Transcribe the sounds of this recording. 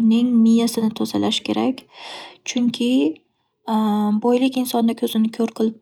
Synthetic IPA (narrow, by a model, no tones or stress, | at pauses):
ɾnɪŋmɪjasɪnɪt̪ʰozalaʃkʲʰe̞ɾakʲt͡ʃʰʊŋkʲʰɪ | bɒjlɪkʲɪnsɒnd̪akʲʰɵzɪnɪkʲʰɵɾqʰɨlˠɪp